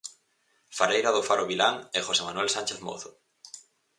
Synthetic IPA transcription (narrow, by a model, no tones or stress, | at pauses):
faɾejɾaðʊfaɾoβilaŋexosemanwelsanʲt͡ʃeθmo̰θʊ